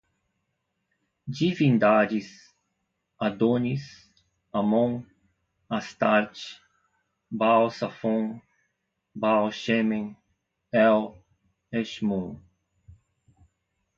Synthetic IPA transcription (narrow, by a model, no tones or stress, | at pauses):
d͡ʒivĩnd̪ad͡ʒis | ad̪oɲis | amõŋ | ast̪aɾt͡ʃ | bawsafõŋ | bawʃemẽŋ | ɛw | eʃmũŋ